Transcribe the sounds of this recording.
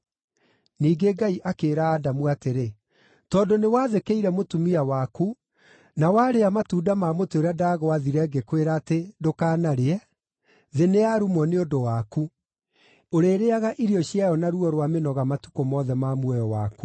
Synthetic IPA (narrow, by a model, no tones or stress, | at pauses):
niːɡeɡaiʔakeɾaːdamwateɾe | tɔːndonewaːðekeiɾɛmotumiawaku | nawaːɾeamatuːdamamotoɾadaɣɔaðiɾɛɡekweɾaːtedokaːnaɾeɛ | ðeneaɾumɔneodowaku | oɾeːɾeaɣaʔiɾjɔɕjajɔnaɾuɔɾwamenɔɣamatu̥komɔːðɛmamwɛjɔwa̰ːku